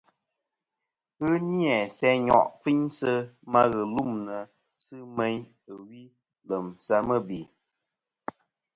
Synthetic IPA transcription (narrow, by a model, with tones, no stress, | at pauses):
ɣɨ˦ni˦ɛ˨sɛ˦ɲɔ̰˨ʔfi˦ɲsə˦ma˦ɣɨ˨lu˦˨mnə˨ | sɨ˦me˦ɲ | ɨ˨wi˦ | lə˨msa˦mə˦˨bi˨